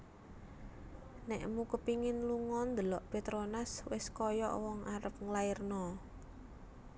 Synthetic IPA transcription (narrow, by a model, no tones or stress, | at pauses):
nɛʔmukəpiŋɪnluŋɔnd̪əlɔʔpet̪ɾonaswɪskɔjɔ̰ʔwɔŋaɾəp̚ŋlairnɔ